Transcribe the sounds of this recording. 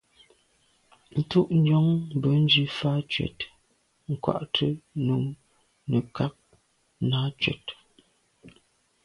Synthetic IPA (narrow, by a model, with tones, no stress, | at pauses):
n̩˦tu˦ʔn̩˦d͡ʒɔ˦ŋbə˨˦n̩˦d͡ʒi˦fa˦t͡ʃwɛ̰˨t | ŋ̩˨kwa̰˨ʔtʰə˦nu˨ŋ | nə˨kʰa˦p̚ | naː˦t͡ʃwɛ˨t